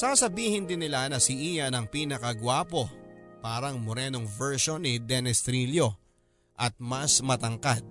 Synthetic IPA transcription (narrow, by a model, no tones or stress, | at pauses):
sɐkɐsɐbiːhɪnd̪ɪnːɪlanɐsɪʔiːjɐnɐŋpiːnɐkɐɡwaːpo̞paːɾɐŋmoɾɛːnoŋvɛɹʃonɪd̪ɛnɛst̪ɾiljo̞ | ʔɐt̪̚mɐsmɐt̪ɐŋkad̪̥̚